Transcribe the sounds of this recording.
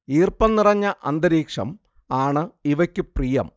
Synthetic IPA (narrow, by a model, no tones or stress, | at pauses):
iːrpɐnnirɐɲːɐʔɐ̰nd̪ɐɾiːkʂɐ̰m | aːɳɨiʋɐkʲːɨprijɐm